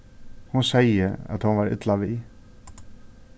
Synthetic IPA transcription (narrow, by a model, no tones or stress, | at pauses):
hʊnsɛjəæ̰t̪hɔnvaɾɪ̰t̪laʋiː